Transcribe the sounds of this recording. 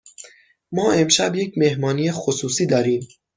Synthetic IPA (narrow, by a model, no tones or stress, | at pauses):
mɒːe̞mʃæbje̞cʰme̞hmɒːniːexosuːsiːd̪ɒːɾiːm